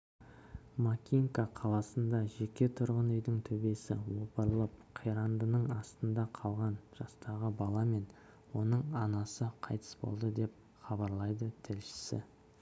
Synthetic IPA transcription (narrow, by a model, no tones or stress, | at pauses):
makʲiŋkaqʰɑlˠɑsənd̪ɑʒe̞kʲe̞t̪ʰʊɾʁənʏjd̪ɪŋt̪ʰɵbe̞sɪwopəɾlˠəp̚qʰijɾɑnd̪ənəɴɑst̪ənd̪ɑqʰɑlˠʁɑnʒ̥ɑst̪ɑʁəbɑlˠɑme̞n | wo̞nəɴɑnɑsəqʰɑjt̪ʰə̥sbo̞̰lˠd̪əd̪e̞p̚ | χɑbɑɾlˠɑjd̪ət̪ʰɪlʃɪ̥sɪ̰